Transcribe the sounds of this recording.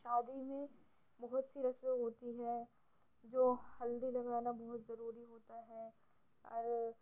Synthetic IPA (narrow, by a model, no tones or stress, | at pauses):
ʃaːd̪imẽ | bɔɦʊt̪siɾɐsweɦoːt̪iɦɛ | d͡ʒoːhɐld̪ilɐɣaːnabɔɦʊt̪zɐɾuːɾiɦoːt̪aɦɛ | ɔ̰ːɾ